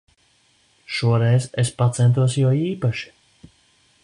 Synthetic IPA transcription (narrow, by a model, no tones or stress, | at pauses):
ʃuɔɾɛjszespat̪sɛnt̪uɔs̬juɔiːpaʃi̥